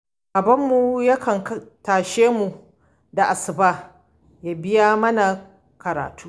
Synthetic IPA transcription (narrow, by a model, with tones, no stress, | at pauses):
ʔa˨bɐ˦mːu˨ja˦kʰɐ˨ŋktaː˨ʃeː˦mu˨ | da˨ʔa˨sɪ˨baː˦ | jaː˨bɪ˦jaː˦mɐ˦na˨ | kɐ˨ɾa̰ː˨tuː˦